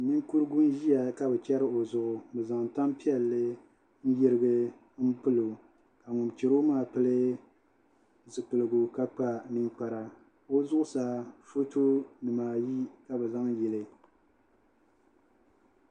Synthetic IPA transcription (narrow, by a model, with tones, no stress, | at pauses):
nɨ˦ŋku˦ɾɨ˦ɡʊ˦n˦ʒi˦a˨ka˨bɛ˨t͡ʃɛ˦ɾɨ˦o˨zʊ˨ʔʊ˨bɨ˨za˨ŋ˨ta˦mpi˦ɛ˨lːɨ˦ | n̩˦jɪ˦ɾɨ˦bɨ˦ | m̩˦pɨ˦lo˨ | ka˨ŋʊ˨nt͡ʃɪ˨ɾo˦maː˦˨pɨ˦lɨ˦ | zɨ˨k͡pɨ˨lɨ˨ɡʊ˨ka˦k͡pa˦nɨ˦ŋk͡pa˨ɾa˨ | o˦zʊ˦ʔʊ˦sa˨fo˦to˦nɨ˨maː˨ji˦ka˨bɛ˨za˦ŋjɛ˨lɨ˨